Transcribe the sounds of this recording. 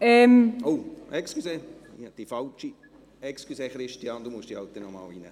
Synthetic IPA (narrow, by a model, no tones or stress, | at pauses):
ɛmowʔɛkskuseː | id̥ifɑlt͡ʃi | ɛkskuseːχɾɪʃtiɑːnd̪umuəʃd̥iɑlt̪̚dɛnɔmɑ̰ːlinə̰